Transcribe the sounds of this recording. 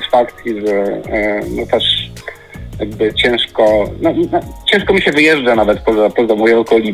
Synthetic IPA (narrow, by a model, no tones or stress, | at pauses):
sfakt̪ʲiʐɛ | nɔt̪ɛʂ | jaɡ̚bɘt͡ɕɛ̃w̃ʂkɔnɔnɔt͡ɕɛ̃w̃ʂkɔmʲiɕɛvɘjɛʐd͡ʐanavɛt̪pɔzapɔzamɔjɛɔkɔlʲi